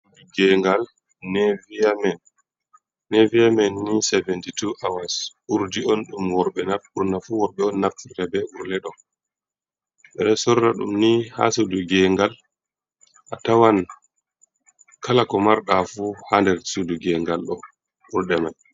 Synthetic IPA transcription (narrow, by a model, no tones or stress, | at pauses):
uduɡɛŋɡalː | ɛvijamɛn | nɛviamɛnːisɛvɛntituʔawasuɾdiɔnɗumwɔɾɓɛnauɾnafuwɔɾɓɛɔnːaf̚uɾɛbɛʔuɾlɛɗɔ | ɓɛɗɛsɔɾːaɗumniha̰suduɡɛŋɡal | ʔatawan | kʰalakɔmaɾɗafuhandɛɾsuduɡɛŋɡalɗɔ | ʔuɾɗɛma